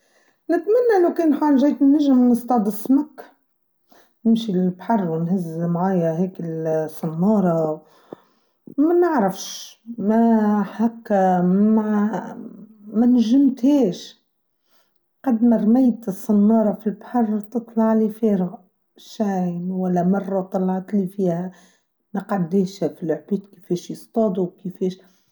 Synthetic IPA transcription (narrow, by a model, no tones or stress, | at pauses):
nɪt̪manːaʔlawkeːnħaːlʒaːt̪nːɪʒɪmnɪst̪ɑʕd̪ˤɪsmakː | nɪmʃilbħɑrˤːwɪnhɪzmʕaːjaheːkɪlsˤːɑnːɑːɾˤɑ | manɪʕɾafʃmaħakːama | mænʒɪmt̪heːʃ | qɑd̪maɾˤmajt̪ɨsˤːɑnːɑːɾˤɑfilbħɑrˤt̪ɨt̪ˤlɑʕlifeːɾɣ | ʃajnwalːamɑrˤːɑt̪ˤɑlːɑʕt̪lifiːha | maqad̪ːeːʃhafilʊʕbiːt̪kifeːʃjɨst̪ˤɑːd̪ˤuwkifeːʃ